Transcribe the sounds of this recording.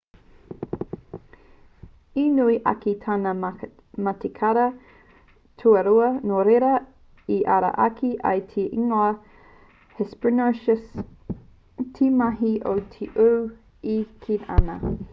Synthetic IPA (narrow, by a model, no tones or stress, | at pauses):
inuiʔɐ̰kitʰanɐ | mɐtekʰɐɾɐ | tʰuɐɾuɐnoɾeɾɐ | iʔɐ̰ɾɐ̰ʔɐkʰiʔɐ̰jtʰeʔiŋoɐ | hɛspənoʃəs | tʰimɐɦiʔo̰wtʰiʔuw | ikʰinɐ̰nɐ̰